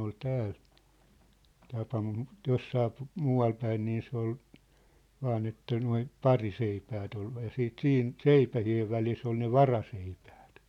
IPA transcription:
ol tæːl tɑpɑ mut josːɑː muːɑl pæin niː se ol ʋɑːn etːæ noi pɑriseipæːt ol jɑ siːt siːn seipæhieʋ ʋælis ol ne ʋɑrɑseipæ̥ːt

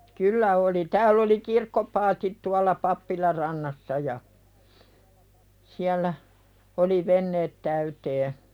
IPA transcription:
kylːæ oli tæːlː oli kirkːopɑːtit tuɑlːɑ pɑpːilɑr rɑnːɑsːɑ jɑ siælːæ oli ʋenːeːt tæyteː

